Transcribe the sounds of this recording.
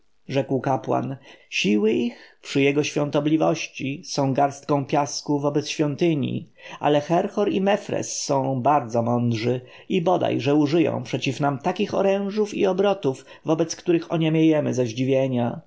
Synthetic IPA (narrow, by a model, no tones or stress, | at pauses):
ʐɛkwkapwa̰nɕiwɘixpʂɘjɛɡɔɕfʲjɔ̃nt̪ɔblʲivɔɕt͡ɕisɔ̃w̃ɡaɾst̪̚kɔ̃w̃pʲjaskuvɔbɛt̪sɕfʲjɔnt̪ɘɲḭʔa̰lɛxɛɾxɔɾimɛfɾɛ̰sːɔ̃w̃baɾd̪zɔmɔnd̪ʐɘ | ibɔd̪a̰jʐɛuʐɘjɔ̰̃w̃pʂɛt͡ɕifnamt̪akʲixɔ̰ɾɛ̃w̃ʐufḭɔbɾɔt̪uv | vɔbɛt̪skt̪uɾɘxɔɲɛmʲjejɛmɘ̰zaʑd͡ʑivʲjeɲa